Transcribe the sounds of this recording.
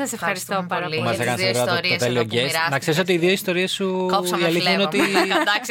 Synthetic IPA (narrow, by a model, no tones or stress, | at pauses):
sɐsefɐɾist̪oumɐsekɐnɐsɾɾɐot̪elioɟesnɐkse̞ɾiso̞t̪̬iːðioist̪o̞ɾie̞suiɐliθjiineot̪id̪s